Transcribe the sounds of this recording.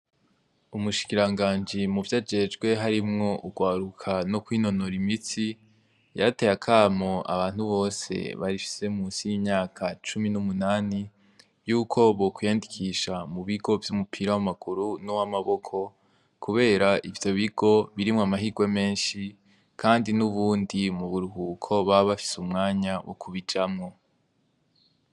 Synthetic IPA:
umuʃi̥kiɾaŋɡaːnd͡ʒimuvjad͡ʒe̞d͡ʒɡwe̞ɦaɾimŋo̞ʔuɡwaːɾukʰanokwiːno̞noɾimit͡si | jate̞jakʰaːmo̞ʔa̰βaːn̥huβo̞ːse̞̰βaɾifi̥se̞muːnsijimɲaːkʰat͡ʃuminumunaːni | juːkʰo̞βokwijandikʰiʃamuβiɡo̞vjumupʰiɾawamaɡ̥uɾunowamaβo̞kʰo̞ | kʰuβe̞ːɾaʔivjo̞βiɡ̥o̞βiɾimŋoamaɦiɡwe̞me̞ːnʃi | kʰaːndinuβuːndimuβuɾuhuːkʰo̞βaβafi̥sumŋaːɲawʔo̰kʰuβid͡ʒamŋo̞

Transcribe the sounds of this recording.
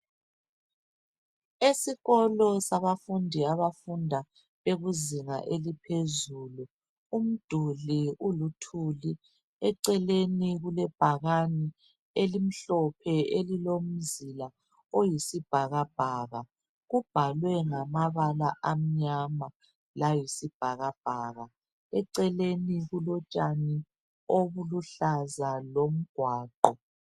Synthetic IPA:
esiɣɔlɔsaβafundʱiaβafundʱa | βeɣuziŋa̰ʔelipʰezuːlu | um̩d̥ʱuliulutʰuli | ɛǀɛleniɣulɛb̥ʱaɣani | elim̩ɬɔpʰɛelilom̩zila | ojisib̥ʱaɣab̥ʱaːɣa | ɣub̥ʱalwɛŋamaβalaʔam̩ɲama | lajisib̥ʱaɣab̥ʱaːɣa | ɛǀɛleniɣulɔt͡ʃʼani | oβuluɬazalom̩ɡ̥ʱwaːǃɔ

